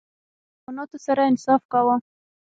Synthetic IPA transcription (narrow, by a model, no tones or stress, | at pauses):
ʊnot̪əsaɾaɪnsɑfkawə